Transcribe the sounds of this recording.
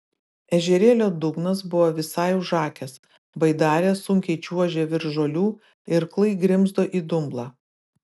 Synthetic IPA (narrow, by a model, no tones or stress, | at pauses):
ɛʒʲɛɾʲeːlʲoːd̪ʊɡnɐsbʊʋoːʋʲɪsɑˑɪʊʒɑːkʲɛs | bɐɪd̪ɑːɾʲeːsʊŋʲkʲɛɪt͡ʃʲuɔʒʲeːʋʲɪɾʒoːlʲuː | ɪɾklˠɐɪɡɾʲɪmzd̪oːʔiːd̪ʊmblˠɑː